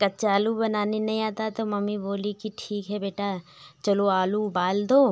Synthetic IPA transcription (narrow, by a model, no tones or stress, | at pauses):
kɐt͡ʃaːlubɐnaːninɐɦĩaːt̪at̪omɐmːiboːlikiʈʰiːkɦɛbeːʈat͡ʃɐloaːlubaːld̪oː